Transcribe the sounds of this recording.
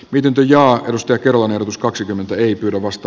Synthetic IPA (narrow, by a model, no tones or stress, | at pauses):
miet̪int̪øjɑːeɾust̪ɑjɑkerolɑnerot̪uskɑksikymːent̪æeipyːɾæʋʋɑst̪ɑ